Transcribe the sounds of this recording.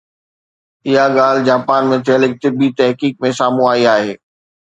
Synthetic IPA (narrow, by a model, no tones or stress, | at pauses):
ɪɦaɠaːl̤d͡ʑaːpaːnmẽt̪ʰɪəlɪk̚t̪ɪbit̪ɛɦkiːk̚mẽsaːmũaːiaːɦeː